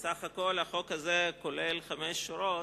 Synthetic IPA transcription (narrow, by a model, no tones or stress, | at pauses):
saχakolhaχokhazekolelχameʃːuɾo